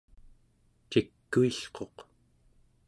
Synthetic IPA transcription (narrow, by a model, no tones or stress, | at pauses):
t͡ʃikːuiɬqo̞q